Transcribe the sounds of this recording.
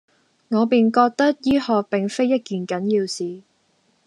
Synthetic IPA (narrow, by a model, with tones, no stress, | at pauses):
ŋɔː˨˧piː˨nkɔː˧k̚t̪ɐ˥k̚jiː˥hɔː˨k̚pɪ˨ŋfe˥jːɐ˥t̚kyː˨˩nkɐ˨˥njiː˧wsiː˨